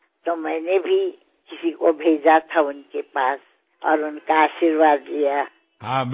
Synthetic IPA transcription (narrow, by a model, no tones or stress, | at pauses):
t̪omɛːnebʱi | kɪsikobʱed͡ʒat̪ʰaʊnkepaːs | ɔ̰ːɾʊnkaaːʃiɾwaːd̪lija | ɦã